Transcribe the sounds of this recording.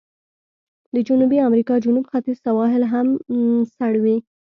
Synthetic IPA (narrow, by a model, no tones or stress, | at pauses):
d̪əd͡ʒʊnubiamɾikɑd͡ʒunubxat̪iz̥sawɑɦɪlɦamsaɽwi